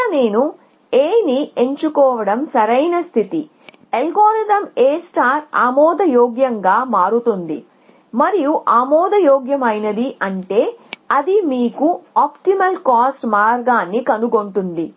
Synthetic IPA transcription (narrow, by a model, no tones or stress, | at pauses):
ne̞ːnu | eːnie̞ɲt͡ʃukɔːʋɐɽɐmsɐɾɐjnɐst̪ʰit̪i | elɡɔːɾɐd̪ɐmeːsʈaːɾa̰ːmɔːd̪ɐjɔːɡjɐŋɡaːmaːɾut̪und̪ḭ | mɐɾijuʔaːmɔːd̪ɐjɔːɡjɐmɐjnɐd̪iʔɐɳʈe̞ːɐd̪imiːkuaːpʈimɐlkaːsʈmaːɾɡaːnːikɐnuɡo̞ɳʈund̪i